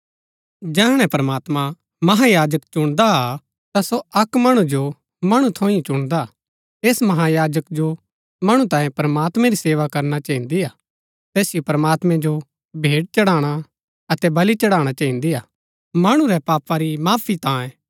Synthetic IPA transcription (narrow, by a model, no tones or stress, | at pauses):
d͡ʒɛːɦɽ̃ɛ̃pɾɐmaːt̪mã | mɐɦajaːd͡ʒəkt͡ʃʊɽ̃d̪a | t̪asoɐkmɐɽ̃ũd͡ʒo | mɐɽ̃ũt̪ʰõːĩt͡ʃʊɽ̃d̪a | eːsmɐɦajaːd͡ʒəkd͡ʒo | mɐɽ̃ũt̪ãːjẽpɾɐmaːt̪mɛ̃ɾiseːʋakɐɾnat͡ʃɐĩnd̪iaː | t̪ɛːsɪjopɾɐmaːt̪mɛ̃d͡ʒo | bʱeːɽ̚t͡ʃɐɽaːɽ̃a | ɐt̪ɛbɐlit͡ʃɐɽaːɽ̃at͡ʃɐːĩnd̪iaː | mɐɽ̃ũɾɛpaːpaɾimaːpʰit̪ãːẽ